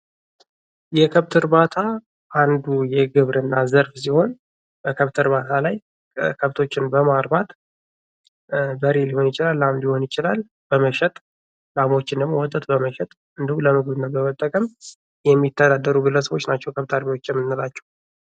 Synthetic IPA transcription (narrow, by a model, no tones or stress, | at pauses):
jɛkʰəβt̪ʰɨɾbat̪ʰa | ʔand̪ujɛɡɨβɾɨnːazəɾfs̬iho̞n | bəkʰəβt̪ʰɨɾβat̪ʰalaj | kʰəβt̪ʰo̞t͡ʃːɪnbəmaɾbat̪ | bəɾeliho̞njɪt͡ʃɪlalːamd̪iho̞njɪt͡ʃɪlal | b̥əməʃɛt̪ʼ | lamo̞t͡ʃːɪnd̪əmowɔt̪ʼːət̪ʼbəməʃɛt̪ʼ | ɨnd̪ihuləmɨɡɨβɨnːəbəmət̪ʼːəkʼəm | jɛmːit̪ʰːəd̪ad̪ːəɾubɨləsəβo̞t͡ʃːnat͡ʃːɛwkʰəβt̪ʰaɾbiwo̞t͡ʃːjɛmːɨnːɨlat͡ʃːɛ̥w